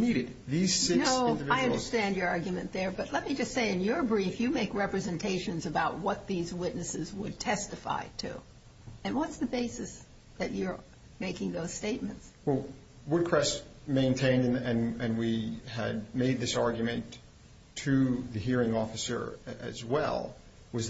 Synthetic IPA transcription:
niɾɨd̪̚ | ðiz̥sɪnoʊndvaɪʌ̃də˞stæ̃nd͡ʒjə˞ɑɹɡjɨmɨ̃nðə˞bʌtˡlɛt̚mid͡ʒʌstseɪɨ̃njə˞bɹifjɨmeɪkɹɛpɹɨzɨ̃ntʰeɪʃɨ̃nzɨbaʊt̚wʌt̪̚ðizwɪtⁿnɨsɨzwəd̚tʰɛstɨfa̰ɪtʰʉ̰ | ɨ̃nwʌtsðɨbeɪsɨs | ðɨt͡ʃə˞ | meɪkɪ̃ŋðoʊz̥steɪt̚mɨ̃ntswɛlˠ | wʊd̚kʰɹ̥ɛstmẽɪ̃ntʰẽɪ̃ndɨ̃nɨ̃nɨ̃nwiɨ̰d̚meɪd̪̚ðɪsɑɹɡjmɨ̃ntʰ | ɨðɨɦiɹɪ̃ŋɔfɨsə̰˞ɨ̰zwɛ̰lˠ | wʌz

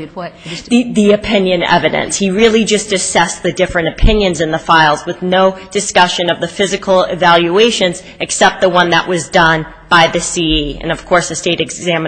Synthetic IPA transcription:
ðiðiɨpʰɪ̃njɨ̃nɛ̰vɨɾɨ̰̃nshiɹɪlˠid͡ʒʌstɨsɛsðɨdɪfɹɨ̃ñɨpʰɪ̃njɨ̃nzɨ̃nðəfaɪlˠzwɨðnoʊd̥ɨskʌʃɨ̃nʌvðɨfɪzɨkʰl̩ˠɪvælˠjʉeɪʃɨ̃nz | ɨksɛp̚t̪̚ðəwʌ̃nðə̰ʔwʔʌzdʌ̃n | b̥aɪðɨsiiɨ̰̃nʌv̥kʰɔɹsɨsteɪɾɨɡzæ̃mɨ̃

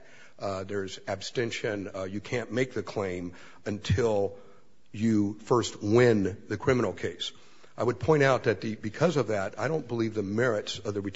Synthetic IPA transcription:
ðə˞zɨb̥stɛ̃nʃɨ̃njɨkʰæ̃nmeɪk̚ðɨkʰl̥ẽɪ̃m | ɨ̃ntʰɪlˠ | jɨfɜ˞st̚wɪ̃nðɨkʰɹ̥ɪ̃mənl̩ˠkʰeɪs | ʔaɪwɨd̚pʰɔ̃ɪ̃ɾ̃aʊt̪̚ðɨt̪̚ðɨbɨkʰʌzʌvðæɾaɪɾõʊ̃nb̥əlivðɨmɛɹɨtsʌvðɨɹɨ

